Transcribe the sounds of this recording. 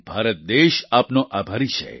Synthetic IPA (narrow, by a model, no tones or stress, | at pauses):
b̥ʱaːɾət̪̚d̪eʃaːpnoʔabʱaɾiʃʰḛ